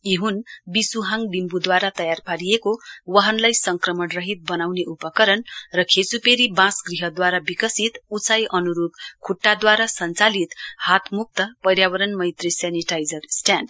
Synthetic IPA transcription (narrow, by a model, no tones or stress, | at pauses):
eɦunbisuɦãŋbimbud̪waɾat̪ʌjarpʰaɾijekowʌɦʌnlajsʌŋkrʌmʌrʌɦit̪̚bʌnawneʔupʌkʌɾʌnrʌkʰesupeɾibãsɡriɦʌd̪waɾabikʌsit̪ut͡sajʔʌnuɾub̚kʰuʈːad̪waɾasʌnt͡salit̪hat̪ʰmuk̚t̪ʌpʌɾjawʌɾʌnmʌjt̪risjaniʈajd͡zʌrsʈjanɖ